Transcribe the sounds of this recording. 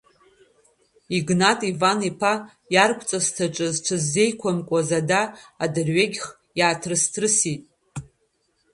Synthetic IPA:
iɡnatʼivanipʰa | jarkʷʰʼt͡sʼastʰaʈ͡ʂʷʼɨzt͡ʃʷʰɨzːe̞jkʷʰamkʷʼazadaːdɨrɥeɡʲχ | jaːtʰrɨstʰrɨsitʼ

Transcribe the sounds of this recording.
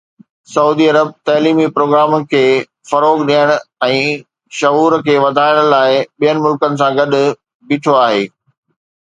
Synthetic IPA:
sɐuːd̪iɐɾəb̚t̪ɐːliːmipɾoːɡɾaːmkʰeː | fɐɾoːɡɗijəɽ̃ʊɛ̃ː | ʃɐɦuːɾkʰeːʋɐd̪ʱaːɪɽ̃laːɪɓijənɪ̆mʊlkənɪ̆s̬ãɡɐɗʊ̆ | bɪʈʰoaːɦḛː

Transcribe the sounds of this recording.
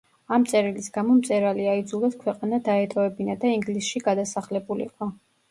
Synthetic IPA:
amt̪sʼɛɾilisɡamɔmt̪sʼɛɾaliaid̪zulˠaskʰwɛqʼanad̪aɛt̪ʼɔɛbinad̪aiŋɡlisʃiɡad̪asaχlɛbulḭḭqʼɔ

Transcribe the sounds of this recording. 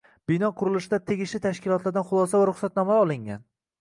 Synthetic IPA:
b̥ɪnɒqʰʊɾɪlɪʃɪd̪at̪ʰeɡʲɪʃlɪt̪ʰaʃkʲɪlˠɒt̪laɾd̪anχʊlˠɒs̬avaɾʊχsat̪̚nɒmaɒlˠɪŋʲa̰n

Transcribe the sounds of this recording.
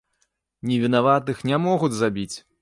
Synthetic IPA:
nʲɛvʲinavat̪ɨxnʲamɔɣud͡zʲzabʲit͡sʲ

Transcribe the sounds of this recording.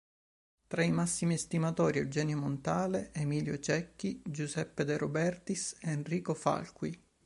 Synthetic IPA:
t̪ɾaimasːimiest̪imat̪ɔːɾied͡ʒɛːnjomont̪aːleʔemiːljot͡ʃɛkːid͡ʒuzɛpːed̪eɾobɛrt̪iseːnriːkofa̰lkwi

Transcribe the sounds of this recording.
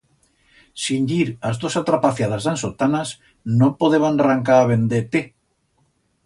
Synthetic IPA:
siɲʎiɾazðosat̪ɾapaθjað̞azðansot̪anas | nõpoðeβanraŋkaaβend̪et̪e

